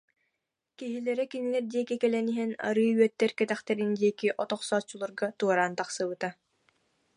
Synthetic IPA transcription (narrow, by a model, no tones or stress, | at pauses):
kiɦilɛɾɛkinilɛɾd̪iɛkikɛlɛniɦɛna̰ɾɯːyœt̪ːɛɾkɛt̪ɛχt̪ɛɾind̪iɛkiʔɔt̪ɔχsɔːt͡ɕːulˠuɾɡat̪uɔɾaːnt̪aχsɯβɯt̪a